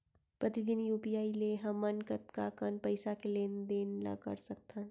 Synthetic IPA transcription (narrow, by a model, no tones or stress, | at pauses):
pɾət̪id̪injuːpijaːileɦɐmːənkət̪kakənpəɪsakelend̪eːnla̰kə̰ɾsək̚t̪ʰan